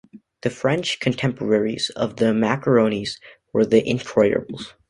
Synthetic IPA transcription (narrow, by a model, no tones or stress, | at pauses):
ðɨfɹɛ̃nt͡ʃkʰɨ̃n̩tʰɛ̃mpʰə˞ɛɹiz̥ʌ̰vðɨmækə˞õʊ̃nizwə˞ðiʔɪ̃nkʰɹɔɪɾɨ̰bl̩ˠz̥